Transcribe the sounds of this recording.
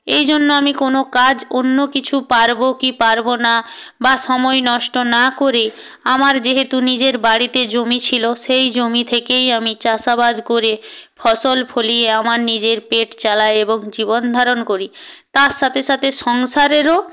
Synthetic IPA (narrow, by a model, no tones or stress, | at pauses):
ejd͡ʑonːoamikonokad͡ʑonːokit͡ɕʰupaɾbokipaɾbona | baʃɔmɔenɔʃʈonakoɾe | amaɾd͡ʑeɦet̪unid͡ʑeɾbaɽit̪ed͡ʑomit͡ɕʰiloʃejd͡ʑomit̪ʰekejamit͡ɕaʃabad̪koɾefʰɔʃolfʰolieamaɾnid͡ʑeɾpeʈt͡ɕalaeeboŋd͡ʑiβond̪ʱaɾonkoɾit̪aɾʃat̪ʰeʃat̪ʰeʃɔŋʃaɾeɾo